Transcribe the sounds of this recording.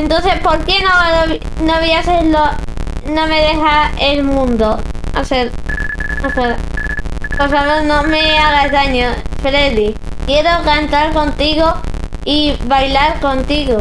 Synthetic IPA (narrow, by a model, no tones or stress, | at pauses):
ent̪on̟θe̞hpo̞ɾke̞noβ | noβiaselonõ̞me̞ðe̞xaelmũnd̪oaseɾ | osea | poɾsaβeɾnõmeaɣaezðaɲofɾe̞ðikje̞ɾo̞kant̪aɾko̞nt̪iɣoiβajlaɾko̞nt̪iɣo